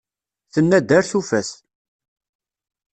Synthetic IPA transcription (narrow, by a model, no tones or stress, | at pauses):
θənːæd̪æɾθufæs